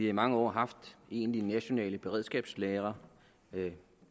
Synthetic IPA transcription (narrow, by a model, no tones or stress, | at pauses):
iɑ̈imɑ̈ŋəɒ̰ːɦɑ̈fd̥e̝ːnlinæɕo̝nɛ̰ːləb̥e̝ʁɛð̞̰ˠsɡ̥ɛ̰ːb̥sleːʁɐ